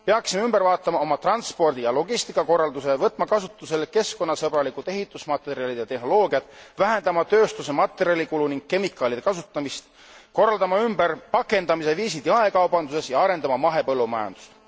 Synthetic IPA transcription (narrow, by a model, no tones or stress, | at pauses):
peɑksimeymb̥eɾvɑːt̪ːˑɑmɑo̞mɑt̪rɑnspo̞rd̪̥ijɑlo̞ɡist̪ikːˑɑko̞rːɑld̪use̞vɤt̪ːˑmɑkɑsut̪ːˑuse̞lke̞sko̞nːɑsɤb̥ɾɑlikˑud̪e̞ɦit̪ːˑusmɑt̪ːˑe̞ɾiɑlid̪̥jɑt̪e̞hno̞lo̞ːɡiɑt̪ːˑvæɦend̪̥ɑmɑt̪ø̞ːst̪use̞mɑt̪ːˑeɾiɑlikuluniŋɡ̥̚ke̞mikːˑɑːlid̪̥e̞kɑsut̪ˑːɑmist̪ | ko̞rːɑld̪ɑmɑymbærpɑkːˑe̞nd̪̥ɑmise̞viːsid̪̥jɑe̞kɑwbɑnd̪use̞sjɑɑɾe̞nd̪ɑmɑmɑɦe̞pɤlːumɑjɑ̰nd̪̥u̥st̪